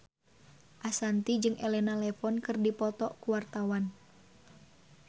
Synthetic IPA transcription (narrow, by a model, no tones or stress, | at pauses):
ʔasant̪id͡ʒɨŋʔɛlɛnalɛfɔnkɨrdipɔt̪ɔkuwart̪awan